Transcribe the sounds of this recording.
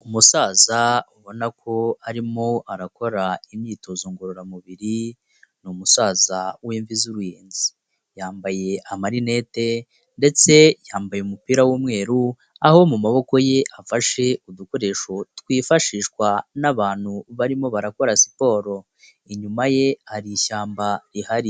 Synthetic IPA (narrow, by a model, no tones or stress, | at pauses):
umusaːzauβo̞nakʰo̞aɾimo̞aɾako̞ɾaimɲiːtozuːŋɡoɾoɾamuβiɾi | numusaːzaweːɱvizuɾujeːnzi | jaːmbaje̞amaɾine̞te̞ | nde̞t͡se̞jaːmbajeumupiːɾawuːmŋe̞ːɾu | aho̞mumaβo̞ko̞je̞ʔafaʃe̞ud̪uko̞ɾe̞ʃo̞twiːfaʃiːʃkwanaβaːn̥huβaɾimo̞βaɾako̞ɾasi̥po̞ːɾo̞ | iɲumaje̞haɾiʃaːmbaɾihaɾi